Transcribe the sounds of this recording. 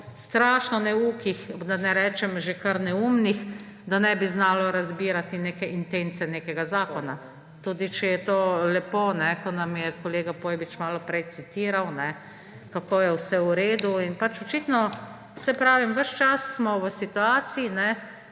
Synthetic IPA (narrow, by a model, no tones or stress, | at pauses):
st̪ɾaːʃnɔnɛuːkixd̪anɛɾɛːt͡ʃɛmʒekaɾnɛuːmnix | d̪anɛːbiznaːlɔɾazbiːɾat̪ineːkɛʔint̪ent̪sɛneːkɛɡazaːkɔna | t̪uːd̪it͡ʃɛjɛt̪oːlɛpoːnɛkɔnamjɛkɔleːɡapoːjbit͡ʃmaːlɔpɾɛjt̪sit̪iːɾawnɛ | kakoːjɛwsɛuɾeːd̪uinpat͡ʃɔt͡ʃit̪nɔ | sɛpɾaːʋimʋəʃt͡ʃasːmɔʋəsit̪uaːt̪siinɛ